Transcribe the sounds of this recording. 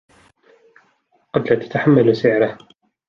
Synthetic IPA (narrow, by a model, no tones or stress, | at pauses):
qɑd̪laːt̪ḁt̪aħamːalsɪʕɾah